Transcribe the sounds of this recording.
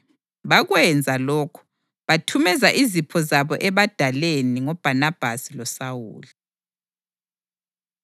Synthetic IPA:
βaɣwɛnd͡zʱalɔːkʰu̥ | βatʰumɛzaʔizipʰɔzaβɔʔɛβad̥ʱaleniŋɔb̥ʱanab̥ʱasilɔsawṵːli

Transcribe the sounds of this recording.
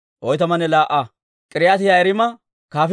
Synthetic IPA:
ʔɔjt̪ɐmɐnɛlaːʔa | kʼɪɾɪjat̪ɪjaɛɾɪmɐ | kaːf

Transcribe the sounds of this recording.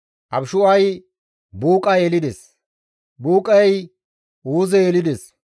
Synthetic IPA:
ʔɐbʃʊɐj | buːkʼɐjelɪd̪es | buːkʼɐj | uːzɛelɪd̪es

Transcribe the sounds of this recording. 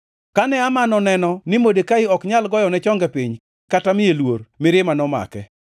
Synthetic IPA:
kanɛamanɔnɛnɔnɪmodekaɪɔkɲalɡɔjɔnɛt͡ʃɔŋɡɛpɪɲ | katamɪjelwormɪɾɪmanɔma̰kɛ

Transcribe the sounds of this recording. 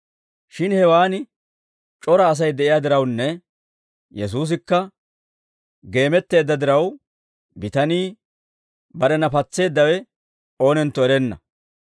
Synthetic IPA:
ʃɪnhɛwaːnɪ | t͡ʃʼɔɾɐːs̬ɐjd̪ɛʔɪjad̪ɪɾɐwnːɛ | jɛs̬uːs̬ɪkːɐ | ɡe̞ːmɛt̪ːe̞ːd̪ːɐd̪ɪɾɐw | bɪt̪ɐniː | bɐɾɛnɐpɐt͡sːe̞ːd̪ːɐwɛ | o̞ːnɛnt̪ːɔɛɾɛnːɐ̰

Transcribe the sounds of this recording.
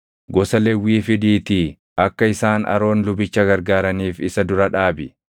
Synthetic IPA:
ɡɔsɐlɛwːiːfɪd̪iːt̪ɪ | ʔɐkːɐɪsaːnɐ̰ɾo̞ːnlʊbɪt͡ʃːɐɡɐɾɡaːɾɐniːfɪsɐd̪ʊɾɐᶑaːbɪ

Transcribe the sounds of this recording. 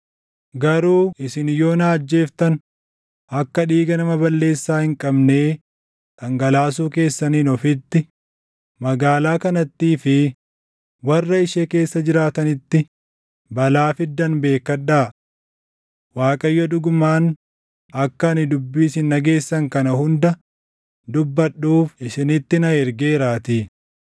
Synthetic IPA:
ɡɐɾuːʔɪsɪnjo̞ːnaːd͡ʒːe̞ːft̪ɐn | ɐkːɐᶑiːɡɐnɐmɐbɐlːe̞ːsːaːhɪŋkʼɐbneː | ᶑɐŋɡɐlaːs̬uːke̞ːsːɐniːnɔfɪt̪ːɪ | mɐɡaːlaːkɐnɐt̪ːiːfɪ | wɐrːɐɪʃeːke̞ːsːɐd͡ʒɪɾaːt̪ɐnɪt̪ːɪ | bɐlaːfɪd̪ːɐnbe̞ːkːɐᶑaː | waːkʼɐjːɔd̪ʊɡʊmaːn | ɐkːɐːnɪd̪ʊbːiːsɪnːɐɡe̞ːsːɐŋkɐnɐhʊnd̪ɐ | d̪ʊbːɐɗːuːfɪsɪnɪt̪ːɪnɐɛɾɡeːɾaːt̪i

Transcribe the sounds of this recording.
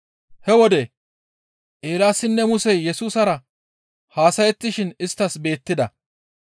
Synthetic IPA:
hɛwɔd̪ɛ | ʔeːlaːsːɪnːɛmʊsɛjːɛsuːsɐɾɐ | haːsɐjɛt̪ːɪʃɪnɪst̪ːɐsbe̞ːt̪ːɪd̪ɐ

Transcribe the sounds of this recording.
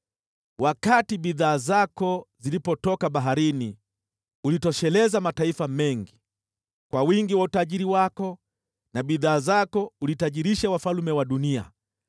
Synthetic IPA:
wakatiɓiðaːzakɔzilipɔtɔkaɓaɦaɾini | ulitɔʃɛlɛzamataifamɛŋɡi | kwawiŋɡiwautaʄiɾiwakɔ | naɓiðaːzakɔulitaʄiɾiʃawafalumɛwaɗunia̰

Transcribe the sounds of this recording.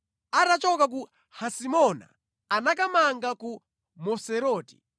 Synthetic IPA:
atat͡ʃɔkak̬u | hasimɔna̰ | anakamaŋɡaku | mɔsɛɾɔːti̥

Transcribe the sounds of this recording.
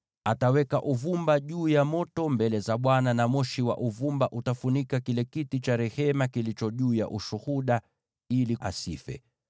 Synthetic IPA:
atawɛkaʔuvumbaʄuːjamɔtɔmbɛlɛzaɓwananamɔʃiwa̰ʔuvumbaʔutafunikakilɛkitit͡ʃaɾɛhɛmakilit͡ʃɔʄuːja̰ʔuʃuhuɗa | iliʔa̰sḭfɛ̰

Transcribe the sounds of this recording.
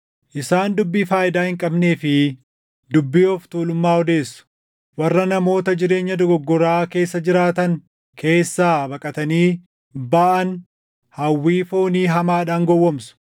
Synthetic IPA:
ʔɪsaːnd̪ʊbːiːfaːjɪd̪aːhɪŋkʼɐbne̞ːfɪ | d̪ʊbːiːɔft̪uːlʊmːaːɔd̪e̞ːsːʊ̥ | wɐrːɐnɐmo̞ːt̪ɐd͡ʒɪɾe̞ːɲːɐd̪ɔɡɔɡːɔɾaːke̞ːsːɐd͡ʒɪɾaːt̪ɐŋ | kʰe̞ːsːaːbɐkʼɐt̪ɐniː | baːʔɐn | hɐwːiːfoːniːɦɐmaːᶑaːŋɡɔwːɐmsʊ̥

